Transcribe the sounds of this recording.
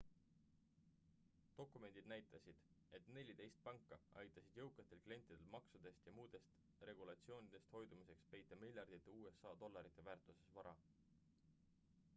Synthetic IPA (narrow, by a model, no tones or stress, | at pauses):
t̪o̞kːˑume̞nd̪̥id̪næjt̪ˑɑsid̪̥e̞t̪ne̞lʲid̪e̞jst̪̚pɑŋkːˑɑɑ̰jt̪ːˑɑsid̪̥jɤwkːˑet̪ːˑe̞lklie̞nt̪ːˑid̪̥e̞lmɑksud̪̥e̞st̪jɑmuːd̪̥e̞st̪ | re̞ɡ̥ulɑt̪sio̞ːnid̪̥e̞st̪ho̞jd̪̥umise̞kspe̞jt̪ːˑɑmilʲjɑrd̪̥it̪ːˑeuːe̞sːɑːd̪̥o̞lːɑɾit̪ːˑe̞væːɾrt̪ˑuse̞svɑɾɑ̰